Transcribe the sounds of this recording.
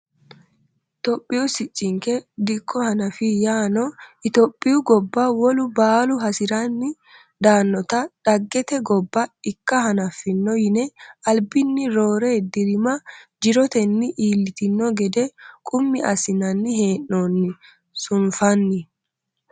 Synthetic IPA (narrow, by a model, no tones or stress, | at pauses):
t̪ɔpʼːɪjʊsɪt͡ʃʼːɪŋkɛd̪ɪkːɔhɐnɐfɪjaːnɔɪt̪ɔpʼːɪjʊɡɔbːɐwɔlʊbaːlʊɦɐsɪɾɐnːɪ | d̪aːnːɔt̪ɐᶑɐɡːɛt̪ɛɡɔbːɐɪkːɐɦɐnɐfɪnːɔjɪnɛɐlbɪnːɪɾoːɾeːd̪ɪɾɪmɐd͡ʒɪɾɔt̪ɛnːɪʔiːlːɪt̪ɪnːɔɡɛd̪ɛkʼʊmːɪɐsɪnɐnːɪɦe̞ːʔnoːnːɪ | sʊnfɐnːɪ